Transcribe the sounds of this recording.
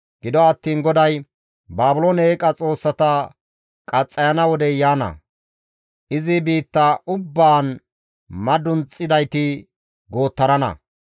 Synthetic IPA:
ɡ̥ɪd̪ɔɐt̪ːiːnɡɔd̪ɐj | baːbʊloːneːkʼɐt͡sʼo̞ːsːɐt̪ɐ | kʼɐt͡sʼːɐjɐnɐwɔd̪ɛjaːnɐ̰ | ʔɪzɪbiːt̪ːɐʔʊbːaːn | mɐd̪ʊnt͡sʼːɪd̪ɐjt̪ɪ | ɡo̞ːt̪ːɐɾɐnɐ̰

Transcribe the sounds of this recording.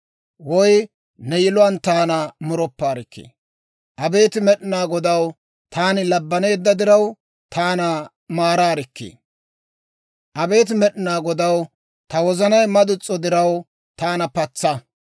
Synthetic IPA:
wɔj | nɛjɪlʊwɐnt̪aːnɐmʊɾɔpːaːɾɪkːḛː | ʔɐbe̞ːt̪ɪmɛɗɪnaːɡɔd̪ɐw | t̪aːnɪlɐbːɐne̞ːd̪ːɐd̪ɪɾɐw | t̪ʰaːnɐ | maːɾaːɾɪkːḛː | ʔɐbe̞ːt̪ɪmɛɗɪnaːɡɔd̪ɐw | t̪ɐwɔzɐnɐjmɐd̪ʊt͡sʼːɔd̪ɪɾɐw | t̪aːnɐpɐt͡sːɐ

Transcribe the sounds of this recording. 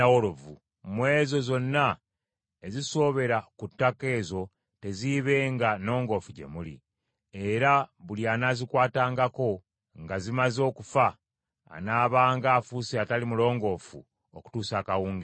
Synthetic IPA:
awolovu | mwe̞ːzo̞zo̞nːa | eziso̞βe̞ɾakutːake̞ːzo̞ | te̞ziβe̞ːŋɡano̞ːŋɡo̞fuɟe̞̰mulḭ | e̞ɾaβuljaːnazikwaːtaːŋɡako̞ | ŋɡazimazo̞ːkufa̰ː | naːβaːŋɡaːfuseatalimulo̞ːŋɡo̞fṵ | oku̥tuːsaːkawuːŋɡe

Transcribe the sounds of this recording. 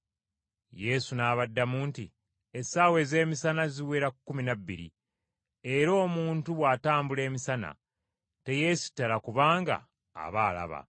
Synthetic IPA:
je̞sunaːβadːamuːnti | esaːwe̞ze̞ːmisanaziweːɾakkːuminabːḭɾḭ | e̞ɾo̞ːmuːntuβwaːtaːmbule̞ːmisana̰ | te̞je̞si̥tːalakuβaːŋɡa̰ː | βaːla̰βa̰

